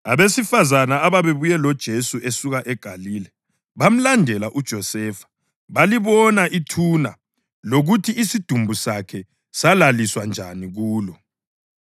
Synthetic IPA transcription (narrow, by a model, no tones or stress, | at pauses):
aβesifazanaaβaβeβujɛlɔd̥ʒ̥ʱesuʔesuɣaʔɛɡ̥ʱaliːlɛ | βam̩landʱɛlaʔud̥ʒ̥ʱɔsɛːfḁ | βaliβɔnaʔitʰuna̰ | loɣutʰiisid̥ʱumbʱusakʰɛ | salaliswand͡ʒʱa̰niɣuːlɔ